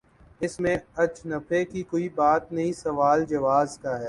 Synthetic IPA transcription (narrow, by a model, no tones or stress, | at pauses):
ɪsmẽɐt͡ʃnɐpʰekikoːibaːt̪nɐɦĩsɐʋaːld͡ʒɐʋaːzkaɦɛː